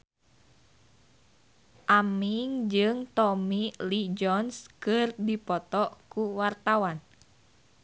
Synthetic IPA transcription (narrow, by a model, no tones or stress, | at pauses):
ʔamiŋd͡ʒɨŋt̪ɔmilid͡ʒɔnskɨrdipɔt̪ɔʔkuwart̪awan